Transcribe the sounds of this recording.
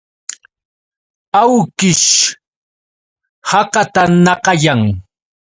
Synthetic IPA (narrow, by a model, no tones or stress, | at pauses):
awkɪʃ | hɑqɑt̪anɑqɑjaŋ